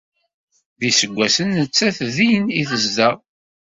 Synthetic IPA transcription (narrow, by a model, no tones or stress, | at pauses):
ðisəɡʷːæsənːət͡sːæθðijəniθəzdæ